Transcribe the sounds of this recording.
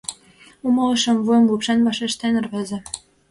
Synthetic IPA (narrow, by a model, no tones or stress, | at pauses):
umɤ̆lɤ̆ʃɤ̆mvujə̆mlupʃenβɑʃeʃt̪enə̆rβezĕ